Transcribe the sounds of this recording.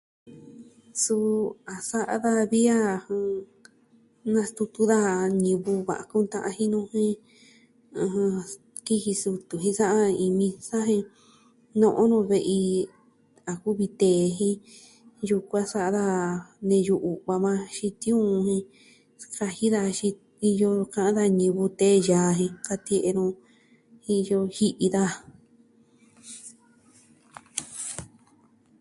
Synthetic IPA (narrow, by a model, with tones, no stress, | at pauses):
su˧a˨sa˦ʔa̰˦ða˧βi˦a˦˧˨h | nã˧st̪u˧t̪u˧ða˦ɲĩ˧βu˧βa̰˨ʔa˧ku˦˧nt̪ã˧ʔa˧hĩ˦nũ˧hĩ˦ | ũ˧ | ki˦hi˧su˧t̪u˨ɦĩ˧sa˦ʔa˦˧i˧mĩ˧sa˦ɦĩ˧ | nõ˧ʔõ˦nõ˧βe˧ʔi˧ | a˨ku˦βi˧t̪eː˨˧ɦĩ˧˦ | ju˧kʷã˦sa˦ʔða˦nẽ˧ju˧ʔu˨βa˧mã˧ʃi˧t̪ĩ˦ũ˦˧hĩ˧ | ka˧hi˦ða˧ʃĩ˧ | i˧jo˧kã˧ʔã˦ða˧ɲĩ˧βu˧t̪eː˦jaː˨ɦĩ˧ka˧t̪i˧ʔe˧nõ˧ | i˧jo˧hi˦ʔi˧ða˦